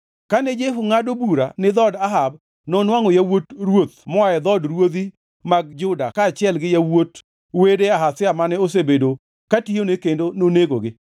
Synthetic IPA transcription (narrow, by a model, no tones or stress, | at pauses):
kanɛd͡ʒeɦuŋadobuɾa̰nɪd̪ɔdaɦab | nɔnwaŋɔjawotɾwot̪mɔaɛd̪ɔdɾwod̪i | maɡ̚d͡ʒʊdakaːt͡ʃɪɛlɡɪjawot | wedeaɦasɪamanɛos̬ebedo | kationekendononeɡo̰ɡɪ